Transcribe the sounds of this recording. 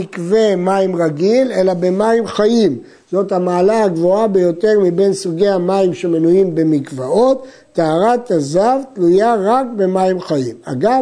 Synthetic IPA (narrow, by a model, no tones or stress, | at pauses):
ikve̞maimʁaɡile̞labe̞maimχaʔim | z̥o̞thamaːlaaɡvo̞abe̞jo̞te̞ʁmibe̞nsuɡe̞amaimʃe̞menujimbe̞mikvao̞t̪ː | aaʁat̪azavtlujaʁakbe̞maimχaima̰ɡa